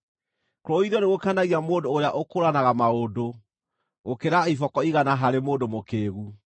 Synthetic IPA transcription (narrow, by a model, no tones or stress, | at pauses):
koɾɔiðɔneɣokanaɣiamoːdoːɾeaʔokoɾanaɣamaodo | ɣokeɾaifɔkɔiɣanaɦaɾemoːdomokeːɣu